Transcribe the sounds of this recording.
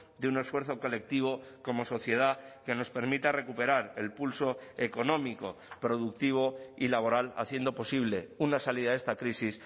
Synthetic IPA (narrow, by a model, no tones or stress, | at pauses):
d̪eune̞sfwe̞ɾθo̞ko̞le̞k̚t̪iβ̞o̞ko̞mo̞so̞θje̞ð̞ake̞no̞spe̞ɾmit̪are̞kupe̞ɾaɾe̞lpulso̞eko̞nõ̞miko̞pɾo̞ð̞uk̚t̪iβ̞o̞ilaβ̞o̞ɾala̰θje̞nd̪o̞po̞siβle̞unasaliðae̞st̪akɾisis